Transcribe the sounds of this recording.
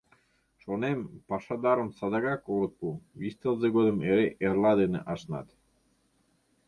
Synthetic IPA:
ʃonempɑʃɑd̪ɑɾəmsɑd̪ɑɣɑkoɾət̪̚puβist̪elzeɣod̪ə̆meɾeʔerlɑd̪enḛʔɑʃnɑ̰t̪

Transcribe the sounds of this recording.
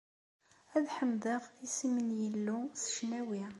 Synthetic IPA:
æðħəmðəʁisimənjəlːusə̥ʃnæwi

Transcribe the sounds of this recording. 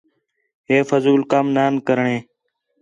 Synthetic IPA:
ɦeːfəzuːlkaːmnaːnkəɾɳẽː

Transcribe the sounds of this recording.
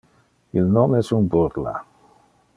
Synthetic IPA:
ilnomɛsunbuɾla̰

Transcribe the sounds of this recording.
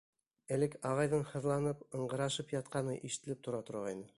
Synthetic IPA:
æ̆lɘkɑʁɑjðɤɴhɤ̆ðlˠɑnɤp̚ɤ̆ɴɢɤ̆ɾɑʃɤpjɑt̪̚qɑnɤʔiʃɘ̥̆t̪ɘ̆lɘp̚t̪ŏɾɑt̪ŏɾʁɑjnɤ

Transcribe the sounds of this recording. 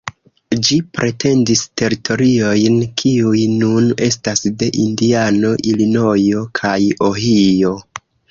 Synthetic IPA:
d͡ʒipɾʔe̞te̞ndiste̞ɾitʰo̞ɾio̞jnkʰiujnune̞stasde̞ʔindiano̞ʔilino̞jo̞kʰajoɦio̞

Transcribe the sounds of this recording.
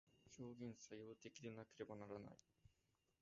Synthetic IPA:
ɕo̞ːɡʲẽ̞ɰ̃sajo̞ːt̪e̞kʲid̪e̞nake̞ɾe̞banaɾana̰i

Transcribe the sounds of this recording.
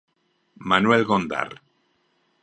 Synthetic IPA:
manuelɣond̪a̰r

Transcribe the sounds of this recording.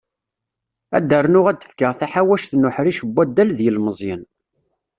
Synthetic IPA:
æ̰d̪ːərˤnʊʁæd̪ə̥fkəʁθaħawæʃθnʊħɾiʃəbʷːæd̪ːælðjəlməzˤjɪn

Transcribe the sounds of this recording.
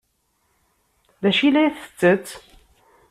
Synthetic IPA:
ðæʃilæθə̥t͡sːət͡sː

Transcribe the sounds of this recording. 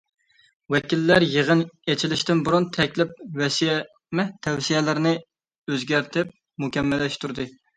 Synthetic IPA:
wɛkʲilːæɾjəʁənet͡ʃʰilɪʃt̪ɪnbuɾunt̪ʰɛkʲlɪp̚wɛsijɛ | mɛt̪ʰɛwsijɛlɪɾnɪ | øzɡʲæɾt̪ʰɪp̚ | mukʲɛmːɛlːɛʃt̪ʰuɾd̪ɨ

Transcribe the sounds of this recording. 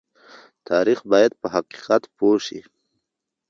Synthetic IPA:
t̪ʰɑɾixbɑjad̪̚pəɦaqi̥qat̪poʂḭ

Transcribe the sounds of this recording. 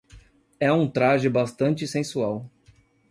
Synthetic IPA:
ɛũt̪ɾaʒɪbast̪ɐ̃nt͡ʃɪsẽsuaw

